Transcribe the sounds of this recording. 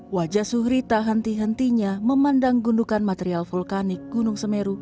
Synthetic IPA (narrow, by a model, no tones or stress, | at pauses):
wad͡ʒasuhɾit̪aɦənt̪iɦənt̪iɲaməmandaŋɡundukanmat̪eɾialfulkanɪk̚ɡ̥unuŋsəmeɾu